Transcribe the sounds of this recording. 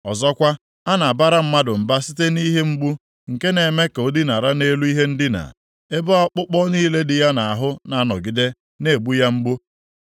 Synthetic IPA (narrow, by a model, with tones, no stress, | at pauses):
ɔ˨zɔ˦kʷa˦ | a˦na˨a˨ba˦ɾa˦m̩˦ma˦dʊ˨m̩˨ba˦si˦te˦ni˦ɦe˦ŋ͡m̩˦ɡ͡bu˦ | ŋ̩˨ke˦ne˨me˦ko˨˦dɪ˦na˨ɾa˦ne˦lu˦i˦ɦe˦n̩˦dɪ˦na̰˨ | e˦bɔ˦k͡pʊ˦k͡pɔ˦niː˦le˦dɪ˨ja˦na˨a˨ɦʊ˦na˨a˦nɔ̰˨ɡɪ˨de˦ | ne˦˨ɡ͡bu˦ja˦ŋ͡m̩˦ɡ͡bu˦